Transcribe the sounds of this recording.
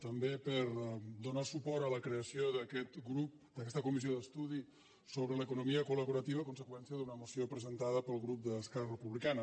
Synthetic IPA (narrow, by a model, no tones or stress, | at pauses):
t̪əmbepəɾd̪unasupɔɾələkɾeəsioðəkɛt̪ɡɾup̚ | d̪əkɛst̪əkumizioðəst̪uð̞i | soβɾələkunumiəkuləβuɾət̪iβ̞əkunsəkwɛnsiəðunəmusiopɾəzənt̪aðəpəlˠɣɾup̚d̪əːskɛrərəpuβlikanə